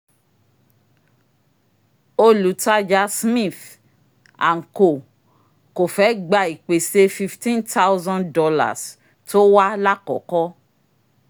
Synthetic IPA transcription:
o˦lu˨˦ta˦d͡ʒa˦smĩ˦˨f | a̰˨ŋ̩˨ko˨ | ko˨fɛ˨˦ɡ͡ba˧i˨k͡pe˨se˧˦fi˧ftĩ˦nta˦wzɔ̃˦ndɔ˧la̰˨s | to˦wa˦la˦kɔ̰˨˦kɔ˦

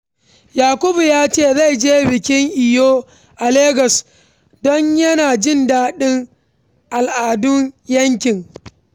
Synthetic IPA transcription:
jaː˨kʷʊ˦bu˨jaː˦t͡ʃeː˦˨za˦˨jd͡ʒeː˦bɪ˨kʲɪ˦ŋʔɪ˨joː˦ | ʔa˨leː˦ɡɐ˨s | dɔ˦ɲjɐ˦naː˨d͡ʒɪ˦ndaː˦ɗɪ˦ŋ | ʔa˨lʔaː˨dʊ˦ŋjɐ˦ŋkʲɪ˨ŋ

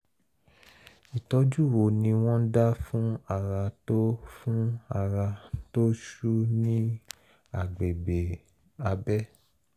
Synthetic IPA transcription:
i˨tɔ˧˦d͡ʒu˦˨wo˨nĩ˧w̃ɔ̃˦da˦fũ˦a˦˨ɾa˧to˦fũ˦a˦˨ɾa˧to˦ʃu˦nĩ˦ | a˨ɡ͡be˨be˨ | a˧bɛ˦

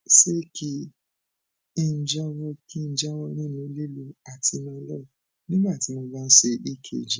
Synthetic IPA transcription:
se˦ke˧ | e˦˨n̩˨˦d͡ʒa˦wɔ˦ki˦d͡ʒa˦wɔ˧˦ɾĩ˦˨nũ˨˧˦le˦˨lu˧a˨ti˧nã˧˦lɔ˦˨ | nĩ˦ɡ͡ba˦˨ti˨˦mo˧ba˦n̩˦ʃe˧i˦˨kʰḛ˧˨d͡ʒi˨˦

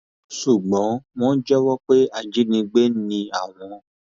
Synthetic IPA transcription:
ʃu˨ɡ͡bɔ̃˨˦w̃ɔ̃˦d͡ʒɛ˦wɔ˦k͡pe˦a˦˨d͡ʒi˨˦nĩ˧ɡ͡be˦nĩ˧a̰˨w̃ɔ̃˨

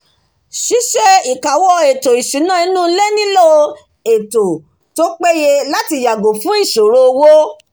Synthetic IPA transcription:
ʃi˨˦ʃɛ˦i˨ka˨wɔ˧e˨to˨i˨sĩ˨˦nã˦i˧˦nũ˦lɛ˦nĩ˦lo˦ | e˨to˨ | to˦k͡pe˦je˧la˦ti˧˨ja˨ɡo˨fũ˨˦i˦˨ʃo˨ɾo˦o˧wo˦

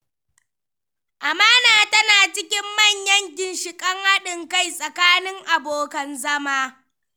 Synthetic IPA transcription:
ʔa˨maː˦naː˨tɐ˦naː˨t͡ʃɪ˦kʲɪ˦mːɐ˦˨ɲjɐ˦ŋɡʲɪ˨nʃɪ˨kʼɐ˦ŋha˦ɗɪ˨ŋka˦˨jsʼɐ˨kaː˦nɪ˦ŋʔa˨boː˨kɐ˨nzɐ˦maː˦

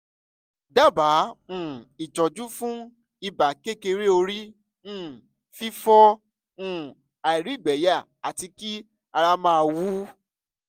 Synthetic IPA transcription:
da˦˨ba˨˦ũ˦˨i˨d͡ʒɔ˨d͡ʒu˦fũ˦ | i˧ba˨ke˦ke˧ɾe˦o˧ɾi˦ | ñ̩ː˦˨ | fi˦fɔ˦ | ũ˦ | a˨i˨ɾi˨˦˨ɡ͡bɛ˨˦ja˦˨ | a˨ti˧ki˦ | a˧ɾa˦mãː˦˧wu˦

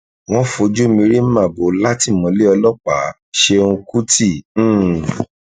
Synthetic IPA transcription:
w̃ɔ̃˦fo˧d͡ʒu˦mĩ˧ɾi˦m̩˦mã˦˨bo˨˦la˦ti˦˨mɔ̃˨˦le˦ɔ˧lɔ˦k͡pa˨˦ | ʃe˧ũ˧ku˦tĩ˦˨˦

